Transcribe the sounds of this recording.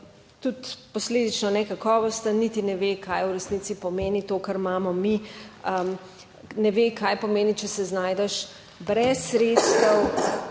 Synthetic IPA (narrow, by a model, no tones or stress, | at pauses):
t̪ut̪pɔsleːd̪it͡ʃnɔnɛkakɔːʋɔst̪anit̪inɛʋekʰajuɾɛsnit̪sipɔmeːnit̪oːkaɾmaːmɔmiə | nɛʋekʰajpɔmeːnit͡ʃɛsɛznaːjd̪ɛʃ | bɾɛsːɾet̪st̪əw